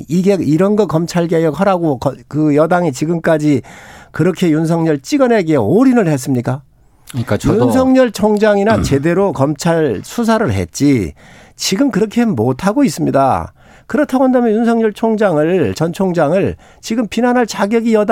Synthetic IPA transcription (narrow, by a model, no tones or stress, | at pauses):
iɡe̞iɾʌnɡʌkʌmt͡ɕʰaɭɡejʌk̚haɾaɡokʌkɯjʌdaŋit͡ɕiɡɯmk͈ad͡ʑikɯɾʌkʰe̞junsʰʌŋɲʌɭt͡ɕ͈iɡʌne̞ɡeoɾinɯɭhe̞s̬͈ɯmɲik͈a | junsʰʌŋɲʌɭt͡ɕʰoŋd͡ʑaŋinat͡ɕe̞de̞ɾokʌmt͡ɕʰaɭsʰusʰaɾɯɭɦḛt̚t͡ɕ͈i | t͡ɕiɡɯmkɯɾʌkʰemotʰaɡois͈ɯmɲida̰ | kɯɾʌtʰaɡoandamjʌnjunsʰʌŋɲʌɭt͡ɕʰoŋd͡ʑaŋɯɭt͡ɕʌnt͡ɕʰoŋd͡ʑaŋɯɭ | t͡ɕiɡɯmpinanɦaɭt͡ɕaɡjʌɡijʌd